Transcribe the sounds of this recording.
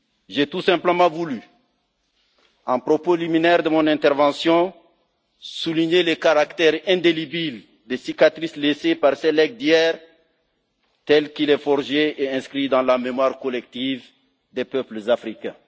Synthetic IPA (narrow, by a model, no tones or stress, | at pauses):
ʒet̪usɛ̃mpləmɑ̃vuly | ɑ̃pʁopoliminɛʁd̪əmɔ̃nɛ̃t̪ɛʁvɑ̃sjɔ̃ | suliɲelekaʁakt̪ɛʁɛ̃d̪elibil | d̪esikat̪χislesepaʁsɛlɛɡ̚d̪jɛʁ | t̪ɛlkilɛfɔʁʒeeɛ̃skχid̪ɑ̃lamemwaʁkɔlɛk̚t̪iv | d̪epœpləzafʁikɛ̃